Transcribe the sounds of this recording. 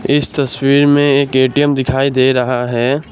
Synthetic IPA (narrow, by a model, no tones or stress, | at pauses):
ɪst̪ɐswiːɾmẽeːkeːʈijəmd̪ɪkʰaːid̪eːɾɐɦaɦɛː